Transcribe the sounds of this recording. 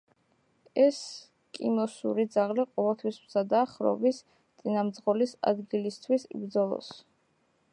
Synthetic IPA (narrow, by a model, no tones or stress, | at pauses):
ɛs | kʼimɔsṵɾid̪zaʁliqʼɔvɛlˠt̪ʰwismz̥ad̪aːχɾɔ̰vis | t̪sʼinamd̪zʁɔlisa̰d̪ɡilist̪ʰwisḭbɾd̪zɔlˠɔ̰s